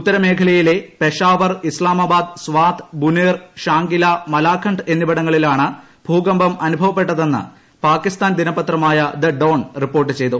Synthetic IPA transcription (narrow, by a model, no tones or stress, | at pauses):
ut̪ːɐɾɐme̞ːkʰɐlɐjile̞pe̞ʂaːʋɐrislaːmabaːd̪̚sʋaːt̪buneːrʂaːŋɡilɐmɐlaːkʰːɐɳɖe̞nːibɐɽɐŋːɐɭilaːɳɨ | bʱuːɡɐmbɐmɐnubʱɐʋɐpːe̞ʈːɐðe̞nːɨ̰ | paːkːist̪aːnd̪inɐbɐt̪rɐmaːjɐd̪ɐɖoːɳripːo̞ːrʈːɨt͡ɕe̞jt̪u